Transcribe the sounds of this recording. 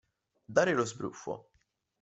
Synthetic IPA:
d̪aːɾɪlozbɾṵfːo̰

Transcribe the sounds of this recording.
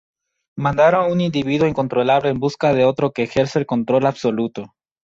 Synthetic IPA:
mãnd̪aɾonunind̪iβ̞iðwo̞iŋko̞nt̪ɾolaβle̞ːmbuskaðe̞o̞t̪ɾo̞ke̞ːxe̞ɾseelko̞nt̪ɾo̞laβso̞lut̪o

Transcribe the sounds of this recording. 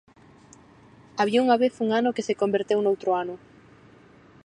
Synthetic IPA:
aβ̞iauŋaβeθuŋanʊkesekombeɾt̪ewnowt̪ɾʊanʊ

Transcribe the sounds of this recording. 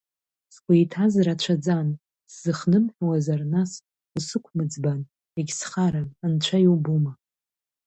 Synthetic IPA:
skʷajtʰazɾat͡ʃʷʰad͡zan | szɨχnɨmħʷᶣawazarnas | sɨkʷʰmɨd͡zban | eɡʲsχaɾaant͡ʃʷʰajiwbuma

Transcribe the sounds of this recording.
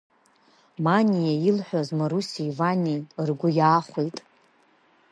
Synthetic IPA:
manʲijailħʷᶣazmaɾusiivanirɡʷʊjaːχʷejtʼ

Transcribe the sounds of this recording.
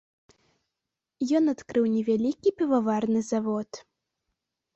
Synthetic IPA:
jɔnat̪kɾɨwnʲɛvʲalʲikʲipʲɛvavarnɨzavɔt̪

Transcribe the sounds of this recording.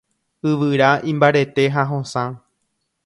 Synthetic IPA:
ɨʋɨɾaʔĩmbaɾe̞t̪e̞ɦaɦõsã

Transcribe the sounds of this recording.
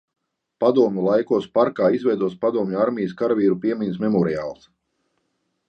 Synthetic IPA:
pad̪uɔmʲulˠajkuɔspaɾkaːizvɛjd̪uɔspad̪uɔmɲʲuaɾmʲijəskaɾaviːɾupiɛmʲinsmɛmɔɾiaːlˠs

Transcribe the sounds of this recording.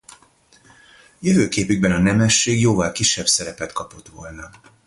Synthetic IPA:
jøvøːkeːpyɡ̚bɛnɒnɛmɛʃːeːɡjoːvɒlkiʃːɛbsɛɾɛpɛt̪kɒpo̞t̪ʋo̞̰lnɒ

